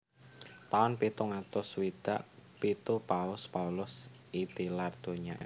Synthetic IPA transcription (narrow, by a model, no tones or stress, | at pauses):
t̪aɔnpit̪uŋat̪ʊswid̪̥a̰ʔpit̪upaʊspaulʊsʔid̪̥ilard̪̥oɲa̰